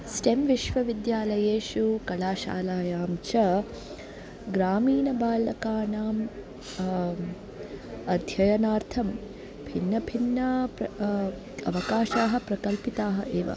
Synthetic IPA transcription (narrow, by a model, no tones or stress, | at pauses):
sʈemʋiʃʋɐʋid̪jaːlɐjeːʃukɐɭaːʃa̰ːlaːjaːmt͡ʃʰɐ | ɡɾaːmiːnɐbaːlɐkaːnaːm | ɐd̪ʱjɐjɐnaːɾt̪ʰɐm | bʱinːɐbʱinːɐ | ɐ̰ʋɐkaːʃaːɦɐ̆pɾɐkɐlpit̪aːɦɐʔeːʋɐ̰